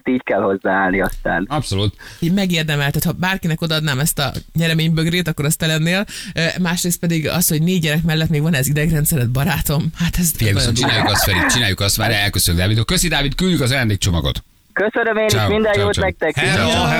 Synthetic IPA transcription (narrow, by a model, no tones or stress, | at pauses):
t̪iːckɛlho̞zːaːaːlniɒst̪a̰ːnɒpso̞lut̪mɛɡeːrd̪ɛmɛlt̪ɛːt̪hɒbaːrkinɛko̞d̪ɒɒd̪naːmɛst̪ɒ̰ɲɛɾɛmeːɲbøɡreːt̪ɒkːo̞ɾɒst̪ɛlɛnːeːlmaːʃreːst̪pɛd̪iɡɒ̰sho̞ɟneːɟːɛɾɛkmɛlːɛt̪meːɡvɒnɛzid̪ɛɡrɛnt̪sɛɾɛd̪̚bɒɾaːt̪o̞mhat̪ɛzfijɛɡsot͡ʃinaːjukɒsfɛɾit͡ʃinaːjukɒst̪maːɾɛɛlkøsølyɡd̪aːvid̪okøsid̪aːvit̪kyljykɒzɒjaːnd̪eːkt͡ʃo̞mɒɡo̞̰t̪ | køsønømeːniʃmind̪ɛjoːtmɛk̚t̪ɛki